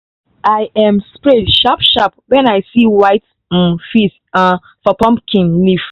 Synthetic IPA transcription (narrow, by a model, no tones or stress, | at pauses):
ajʔãmspɹɛdʃapʃapwɛ̃najsiwaɪt̩ | fis | a | fɔpɔ̃mpkʰĩnlif